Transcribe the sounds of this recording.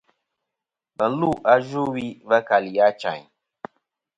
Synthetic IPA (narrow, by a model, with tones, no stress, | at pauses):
bə˨n̩˦lu˦˨ʔa˦ʒu˦wi˦va˦ka˨li˨ja˦t͡ʃa̰˨ɲ